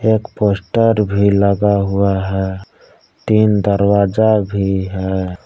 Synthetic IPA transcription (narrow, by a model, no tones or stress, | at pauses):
ekpoːsʈəɾbʱiləɡaɦuaɦɛ | t̪ind̪əɾwaːd͡ʒabʱiɦɛ